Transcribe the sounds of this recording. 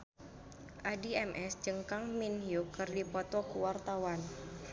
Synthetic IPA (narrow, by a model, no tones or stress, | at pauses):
ʔadiɛmʔɛsd͡ʒəŋkaŋminjukərdipɔt̪ɔkuwart̪awan